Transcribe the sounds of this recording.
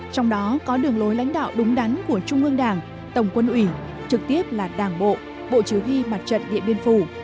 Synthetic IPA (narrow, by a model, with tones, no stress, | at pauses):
t͡ɕɔ˧wŋ͡mɗɔ˨˦kɔ˨˦ɗɨ˨˩əŋlo˨˦jla̰˧˥jŋ̟ɗa̰ː˧˨wɗʊ˨˦ŋ͡mɗa˨˦nku˧˩ət͡ɕʊ˧ŋ͡mʔɨ˧əŋɗaː˨˩ŋ | t̪ə˧˩wŋ͡mkwə˧nʔwi˧˩ | t͡ɕɨ˨˩k̚t̪i˦˥əp̚laː˨˩ɗaː˧˩ŋɓo̰˧˨ʔ | ɓo̰˧˨t͡ɕi˨˩əwhi˧ma˨˩t̚t͡ɕə̰˧˨nɗḭ˧˨əmɓi˧ənfu˧˩